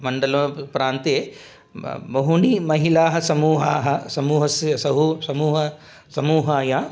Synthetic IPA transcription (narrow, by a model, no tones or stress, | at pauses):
mɐɳɖɐlõːpɾaːnt̪eː | bɐɦunimɐɦilaːɦɐ̆sɐmuːɦaːɦɐsɐmuːɦɐssɐɦusɐmuːɦɐ | sɐmuːɦaːjaː